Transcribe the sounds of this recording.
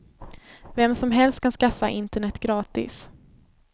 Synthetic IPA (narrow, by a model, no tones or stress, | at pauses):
vɛmːsɔmɦɛlst̪̚kanskafːaʔɪnt̪əɳɛt̪ːɡɾɑːt̪ɪ̰s